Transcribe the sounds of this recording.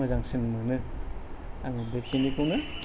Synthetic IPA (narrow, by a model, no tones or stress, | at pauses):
azaŋsinmɯnɯ | aŋɯbekʰinikʰɯwnɯ